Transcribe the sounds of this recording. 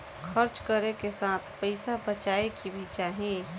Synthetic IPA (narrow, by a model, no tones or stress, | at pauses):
kʰəɾt͡ʃkəɾekesaːt̪ʰpəɪsabət͡ʃaːekibʱit͡ʃaɦẽ